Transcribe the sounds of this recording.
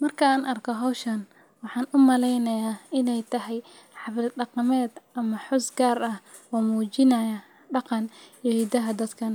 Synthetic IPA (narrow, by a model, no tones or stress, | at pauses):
mɐrkʰɐaːnʔɐrkʰɔɦɔwʃɐn | wɑħɑːnʔʊmɐlɛjnɐjaːɪnɛjt̪ʰɐɦɛj | ħɑβɾɪɖɑqɑmɛːd̪ʔɐmɐħʊsɡaːrɐhwɔːmuːt͡ʃɪnɐjɐ | ɖɑqɑnjihid̪ɐɦɐd̪ɐd̪kʰɐn